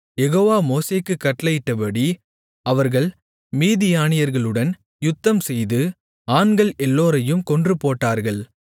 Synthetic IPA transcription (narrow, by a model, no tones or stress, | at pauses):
jɛɣoːʋaːmoːseːkːɯkːɐʈlɐjɪʈːɐpɐɽi | ɐʋɐɾɣɐɭ | miːðɪjaːnɪjɐɾɣɐɭɯɽɐn | jʊt̪ːɐmsɛjðɯ | aːnɡɐɭɛlːoːɾɐjɯmkɔndrɯpoːʈːaːɾɣɐɭ